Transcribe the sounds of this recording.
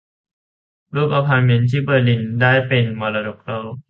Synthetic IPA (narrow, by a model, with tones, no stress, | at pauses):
luː˥˩k̚a˧pʰa˧nme˧nt̪ʰiː˥˩bɤː˧li˧ndaː˥˩jpe˧nmɔː˧laː˧do˨˩k̚ɾa˧˥˩